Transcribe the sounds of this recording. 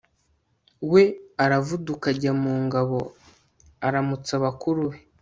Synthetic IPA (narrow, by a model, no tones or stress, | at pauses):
we̞aɾavudukaɟamuːŋɡaβo̞ | aɾamut͡saβakuɾuwe